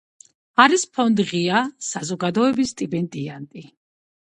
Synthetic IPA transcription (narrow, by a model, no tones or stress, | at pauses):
aɾispʰɔnd̪ʁiasazɔɡad̪ɔɛbist̪ʼibɛnt̪ʼiant̪ʼi